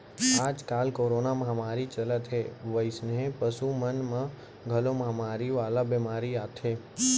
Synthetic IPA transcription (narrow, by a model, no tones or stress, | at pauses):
aːd͡ʒkaːlkoːɾoːnaməɦamaːɾit͡ʃələt̪ɦeʋəɪsnẽpəsumənmã | ɡʱəloməɦamaːɾiʋaːlabemaːɾiat̪ʰɦeː